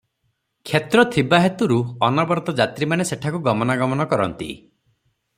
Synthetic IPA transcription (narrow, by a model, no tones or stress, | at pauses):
kʰjet̪ɾɔt̪ʰibaɦet̪uɾuɔnɔbɔɾɔt̪ɔd͡ʒat̪ɾimaneseʈʰakuɡɔmɔnaɡɔmɔnɔkɔɾɔ̰nt̪ḭ